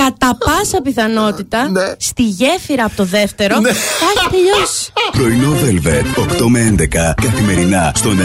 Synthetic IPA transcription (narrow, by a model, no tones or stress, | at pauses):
kɐt̪ɐppɐsɐpiθɐno̞t̪it̪ɐnst̪iʝe̞fiɾɐːpo̞t̪o̞ðe̞ft̪e̞ɾo̞ɐçit̪eʎospɾo̞ino̞velvet̪okt̪o̞meend̪e̞kɐkɐθime̞ɾinɐst̪o̞n